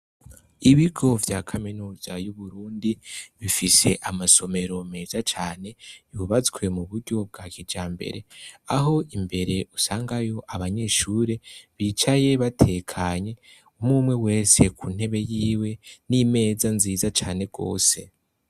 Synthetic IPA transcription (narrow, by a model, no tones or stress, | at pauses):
iβiɡo̞vjaːkʰaminuːzajuβuɾuːndiβifise̞̰ʔamaso̞me̞ɾo̞me̞ːzat͡ʃaːne̞juβat͡sɡwe̞muβuɾɟo̞b̚ɡaːɡid͡ʒaːmbe̞̰ɾe̞aɦo̞imbe̞ɾe̞usaːŋɡajo̞ʔaβaɲe̞ːʃuːɾe̞βit͡ʃaje̞βatʰe̞ːkʰaɲe̞ | umuːmwe̞we̞ːse̞kun̥he̞βe̞jiːwe̞nime̞ːzanziːzat͡ʃaːne̞ɡ̥o̞̰ːse̞